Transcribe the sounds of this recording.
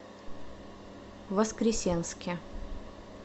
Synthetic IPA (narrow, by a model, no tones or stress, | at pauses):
ʋɐskɾʲɪsʲɛnskʲɛ